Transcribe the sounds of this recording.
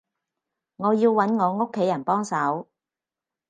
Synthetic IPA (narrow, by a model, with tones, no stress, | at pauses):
ŋɔː˨˧jiː˧wwɐ˨˥nŋɔː˨˧ŋo˥kʰːe˨˥jɐ˨˩npɔː˥ŋsɐ˨˥w